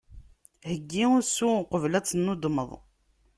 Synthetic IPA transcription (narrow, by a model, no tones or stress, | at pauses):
həɡːiʊɾsuqəvlæt͡sːənːud̪məðˤ